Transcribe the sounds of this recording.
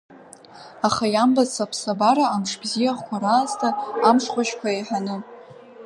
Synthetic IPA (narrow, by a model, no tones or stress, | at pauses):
aχajambat͡sʰapʰsabaɾaːmʂbzijaχkʷʰaɾaːztʰaːmʂqʷaʃkʷaeħanɨ